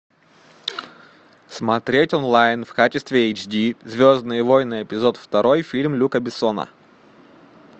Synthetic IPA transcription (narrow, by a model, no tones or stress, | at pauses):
smɐt̪ɾʲetʲonlˠajnfkat͡ɕɪst̪vʲɪejt͡ɕdʲizvʲoznɨjvojnɨjɪpʲɪzot̪ft̪ɐɾʔo̞jfʲilʲmlʲukəbʲɪsonə̰